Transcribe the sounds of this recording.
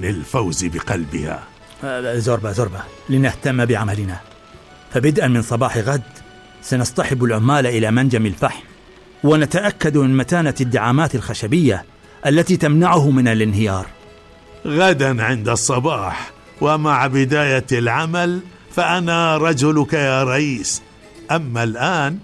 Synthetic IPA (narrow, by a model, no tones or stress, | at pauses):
nɪlfawzbɪqɑlbɪ̰ha̰ | zʊɾˤbazʊɾˤbalɪnaht̪amːbɪʕamalɪna | fabɪd̪ʔanmɪnsˤɑbɑːħɪɣad̪ | sanɑsˤt̪ˤɑħɪbalʕʊmːaːlaʔɪlamand͡ʒamɪlfaħm | wɪnat̪aʔakːad̪mɪnmat̪aːnad̪ːaʕaːmaːt̪alxaʃabɪjːa | ʔalːat̪iːt̪amnaʕʊhmɪnalʔɪnɦɪjɑːɾˤ | ɣad̪anʕɪnd̪ɑsˤːɑbɑːħ | wamaʕbɪd̪aːjalʕamal | faʔanaɾˤɑd͡ʒʊlʊkajaːɾˤɑʔiːs | ʔamːalʔaːn